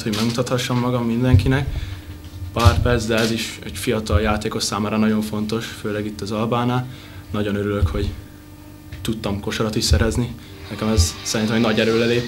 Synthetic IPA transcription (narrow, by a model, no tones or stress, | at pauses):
t̪ho̞ɟmɛɡmut̪ɒt̪hɒʃːomːɒɡɒmːind̪ɛŋkinɛk | paːrpɛrt̪zd̪ɛɛziʃɛɟfijɒt̪ɒljaːt̪eːko̞ʃsaːmaːɾɒnɒɟo̞ɱfo̞nt̪o̞ʃføːlɛɡit̪ːɒzɒlbaːnaː | nɒɟo̞nøɾylø̞kho̞ɟ | t̪ut̪ːɒmko̞ʃoɾɒt̪iʃsɛɾɛzni | nɛkɛmɛzsɛɾint̪ɛmɛnɒɟɛɾøːlɛleːp